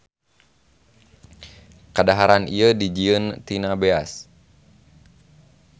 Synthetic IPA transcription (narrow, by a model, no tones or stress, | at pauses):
kadaɦaɾaniədid͡ʒiənt̪inabeas